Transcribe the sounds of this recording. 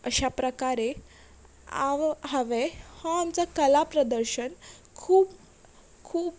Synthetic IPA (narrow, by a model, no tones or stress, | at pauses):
əɕapɾəkaɾe | aɦəʋehɔamt͡sakəlapɾəd̪əɾɕənkʰuːb | kʰuːb